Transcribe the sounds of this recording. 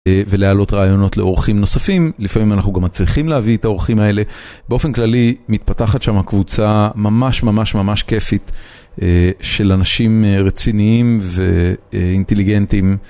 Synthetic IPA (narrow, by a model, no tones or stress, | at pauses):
ve̞lealo̞tʁaːjo̞no̞tle̞o̞ʁχimno̞safimlifamimanaχnuɡamːat͡sliχimleavietao̞ʁχimae̞le̞beo̞fe̞nklalimit̪̚pataχatʃamhakvut͡samamaʃmamaʃmamaʃke̞fit̪ | eʃe̞lanaʃimʁet͡siniimveinte̞liɡe̞ntim